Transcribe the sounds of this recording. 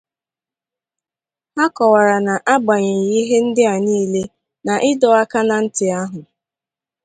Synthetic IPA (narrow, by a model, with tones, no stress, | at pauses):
a˦kɔ˨wa˨ɾa˨na˨ʔa˦ɡ͡ba˨ɲe˨ji˦ɦe˦n̩˦dɪ˦a˨niː˦le˦ | na˨ʔɪ˦dɔ˨˦a˦ka˦na˨n̩˦tɪ˨a˦ɦʊ˨